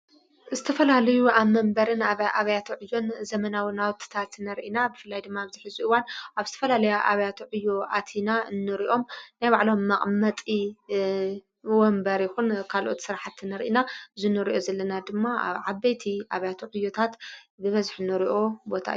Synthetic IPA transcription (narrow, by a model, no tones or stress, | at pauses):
zɨt̪ʰɐfɐlalɐjuʔaβmɐmbɐɾɨnaβʔaβɐjat̪ʰuʕɨjːo̞nzɐmɐnawinawt̪ʰːɨ̥t̪ʰat̪nɐɾʔinabɨfɨlːajd̪ɨmːaβziħizuɨwanʔaβzɨt̪ʰɐ̥fɐlalɐjaʔaβɐjat̪ʰuʕɨjːo̞ʔa̰t̪ʰinanːɨɾiʔo̞mnajβaʕlo̞mːɐχʼmɐt̪ʼi | wombɐɾjɪxunkʰalʔo̞t̪sɨɾaħat̪ːɨnɐɾʔinaɨzunɨɾiʔo̞zɐlːɐnad̪ɨmːaʕaβejt̪ʰiʔaβɐjat̪ʰuʕɨjːo̞t̪ʰat̪bɨβɐzħɨnːɨɾiʔo̞bo̞t̪ʰa̰ʔɨjːu